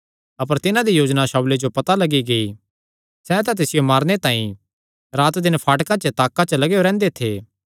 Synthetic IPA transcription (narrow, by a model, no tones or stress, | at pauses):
ɐpəɾt̪ɪnãd̪ijoːd͡ʒnaʃaːwled͡ʒopɐt̪alɐɡiɡɐi | sɛt̪̬ãt̪̬ɪsɪjomaːɾnet̪ãːĩ | ɾaːt̪d̪ɪnpʰaːʈkãt͡ʃət̪aːkːãt͡ʃəlɐɡejoɾɛ̃ːnd̪et̪ʰeː